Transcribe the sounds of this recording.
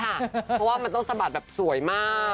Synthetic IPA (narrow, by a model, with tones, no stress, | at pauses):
kʰa˥˩˦ɔ˦˥waː˥˩ma˧nt̪ɔ˥˩ŋsa˧baː˨˩t̪̚bɛː˨˩p̚su˨˩˦jmaː˥˩